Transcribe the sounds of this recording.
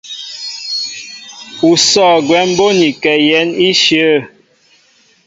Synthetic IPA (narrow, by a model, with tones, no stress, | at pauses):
u˨sɔː˦˨ɡwɛ˨˦m˦bo˦ni˨kɛ˨jɛ˨˦ni˦ʃə˦˨